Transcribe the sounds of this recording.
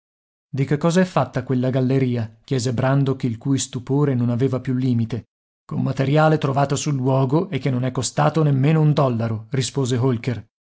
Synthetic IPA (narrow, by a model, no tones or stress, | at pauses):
d̪ikekːɔːzaɛfːat̪ːakwelːaɡalːeɾiːakjɛːzebɾand̪okeilkuːjst̪upoːɾenonaveːvapjulːiːmit̪e | kommat̪eɾjaːlet̪ɾovaːt̪osulːwɔːɡoʔekːenːonɛkːost̪aːt̪onemːeːnound̪ɔlːaɾorispoːzeɦolker